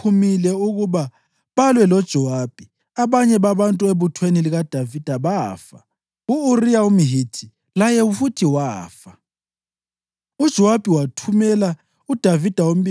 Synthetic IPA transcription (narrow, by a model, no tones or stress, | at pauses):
umilɛuɣuβa | βalwɛlɔd̥ʒ̥ʱɔwab̥ʱi | aβaɲɛβaβantʼueβutʰweniliɣad̥ʱavid̥ʱaβaːfa | uːrijaumiɦitʰi | lajɛufutʰiwaːfa | ud̥ʒ̥ʱɔwab̥ʱiwatʰumɛla | ud̥ʱavid̥ʱawom̩bi